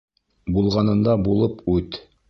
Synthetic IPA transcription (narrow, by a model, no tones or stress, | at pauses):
bulˠʁɑnɤ̆nd̪ɑbulˠɤpʉt̪